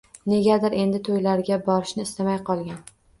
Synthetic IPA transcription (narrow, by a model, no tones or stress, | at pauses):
ne̞ɡʲad̪ɪɾʔe̞nd̪ɪt̪ʰojlaɾɡʲabɒɾɪʃnɪɪst̪amajqʰɒlˠɡʲan